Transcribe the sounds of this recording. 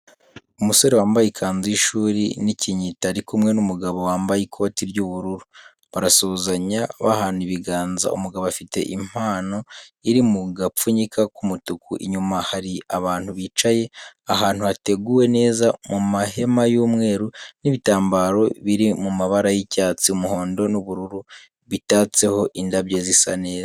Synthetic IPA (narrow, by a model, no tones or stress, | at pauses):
umuso̞ɾewaːmbajikʰaːnziʃuːɾḭniciɲitaɾikumŋe̞numuɡaβo̞waːmbajikʰotiɾjuːβuɾuɾu | βaɾasozaɲaβahaniβiɡaːnza̰ṵmuɡaβafite̞̰ʔim̥haːno̞iɾimuɡafuɲikʰakumutukʰṵʔḭɲumahaɾiaβaːnhuβit͡ʃaje̞aɦaːn̥huhate̞ɡuwe̞ne̞ːzamumahe̞majuːmŋe̞ːɾuniβitaːmbaːɾo̞βiɾimumaβaɾajicaːt͡siumuho̞ːndo̞nuβuɾuɾu | βitaːt͡se̞ho̞ʔindaβɟezisa̰ne̞ːza